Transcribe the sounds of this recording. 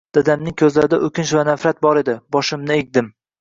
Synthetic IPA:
d̪̥ad̪amnɪŋʲkʲʰɵzlaɾɪd̪aʔɵkʲɪnʃvanafɾat̪̚bɒɾe̞d̪ɪbɒʃɪmnɪek̚ʲd̪ɪm

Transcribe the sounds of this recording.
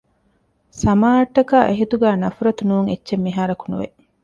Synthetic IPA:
sɐmaːɐʈːɐkaːʔeɦit̪uɡæːnɐfuɾɐt̪unuːŋet͡ʃːʃemːiɦaːɾɐkunṵʋḛ

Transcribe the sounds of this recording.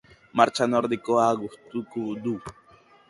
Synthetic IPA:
maɾt͡ʃanoɾd̪ikoaɣuht̪ukud̪u

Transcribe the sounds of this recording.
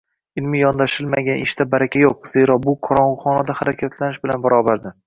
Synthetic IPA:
ɪlmɪjɒnd̪aʃɪlmaɡʲanʔɪʃt̪abaɾakʲʰajoq̚z̥e̞ɾɒbʊqʰɒɾɒʊχɒnad̪ahaɾakʲʰat̪lanɪʃbɪlanbaɾɒbaɾd̪ɪ

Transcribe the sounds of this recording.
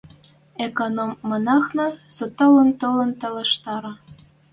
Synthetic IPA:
ekonomːɤ̆nɑxnɤ̆sot̪ɑwə̆nt̪ələ̆nt̪ə̆lə̆ʃt̪ɑɾɑ

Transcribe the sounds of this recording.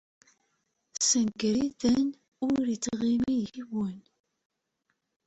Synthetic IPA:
sənɡɾiðən | ʊɾit͡sːʁimijiwən

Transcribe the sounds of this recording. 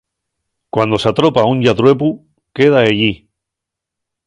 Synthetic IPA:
kwand̪osat̪ɾo̞pauɲʝat̪ɾwe̞pu | ke̞ð̞aeʎi

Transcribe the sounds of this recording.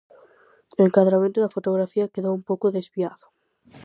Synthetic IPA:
eŋkaðɾamẽnt̪ʊðɐfot̪oɣ̞ɾafiɐkeðoumpowkʊðezβiaðʊ

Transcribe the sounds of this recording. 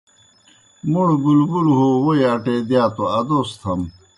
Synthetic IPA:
muɽɡulɡulɦowojɐʈeːd̪jaːt̪oɐd̪ost̪ʰɐm

